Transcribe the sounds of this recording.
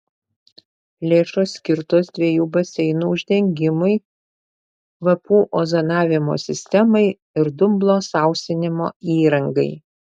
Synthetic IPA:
lʲeːʃoːsːʲkʲɪɾt̪oːsd̪ʲʋʲiɛjuːbɐsʲɛɪnuːʊʒʲd̪ʲɛŋʲɡʲɪmʊɪ | ʋɐpuːʔoːzɐnɑːʋʲɪmo̰ːsʲɪsʲt̪ʲɛmɐɪ | ɪɾd̪ʊmblˠoːsɑˑʊsʲt̪ʲɪnʲɪmo̰ːiːɾɐŋɡɐɪ

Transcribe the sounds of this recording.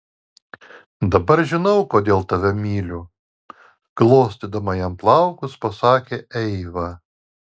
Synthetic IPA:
d̪ɐbɐɾʒʲɪnɐʊkoːd̪ʲeːlˠt̪ɐʋʲɛmʲiːlʲuː | ɡ̥lˠoːsʲt̪ʲid̪ɐmɐjɛmplˠɑʊkʊspɐsɑːkʲeːʔɛɪʋɐ

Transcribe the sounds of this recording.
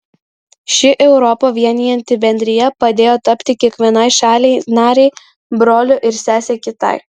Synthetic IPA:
ʃʲɪʔɛʊɾɔpoːʋʲiɛnʲijɛnʲt̪ʲɪbʲɛnʲd̪ʲɾʲɪjɛpɐd̪ʲeːjoːt̪ɐpʲt̪ʲɪkʲiɛkʋʲiɛnɐɪʃɑːlʲɛɪnɑːɾʲɛɪ | bɾoːlʲʊʔɪɾsʲæːsʲeːkʲɪt̪ɐ̰ɪ

